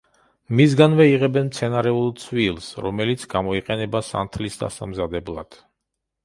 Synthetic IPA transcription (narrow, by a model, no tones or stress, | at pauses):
misɡanvɛiʁɛbɛnmt̪sʰɛnaɾɛulˠt̪sʰwilˠsɾɔmɛlit̪sʰɡamɔiqʼɛnɛbasa̰nt̪ʰlisd̪a̰sa̰mzad̪ɛblˠa̰d̪̥